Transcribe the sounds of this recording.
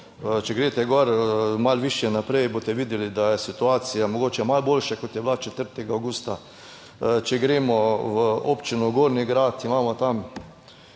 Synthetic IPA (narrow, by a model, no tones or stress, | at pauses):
t͡ʃɛɡɾeːt̪ɛɡɔɾmalʋiʃjɛnapɾɛjbot̪ɛʋid̪jɛlid̪ajɛsit̪uaːsijamɔɡoːt͡ʃɛmalbolʃakot̪jɛblat͡ʃɛt̪əɾt̪ɛɡaːwɡust̪a | t͡ʃɛɡɾeːmɔʋəopt͡ʃinuɡoːɾniɡɾaːt̪imaːmɔt̪am